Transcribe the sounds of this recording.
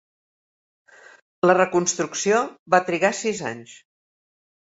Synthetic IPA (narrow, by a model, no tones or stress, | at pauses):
lərəkunst̪ɾuksioβat̪ɾiɣasiza̰ɲs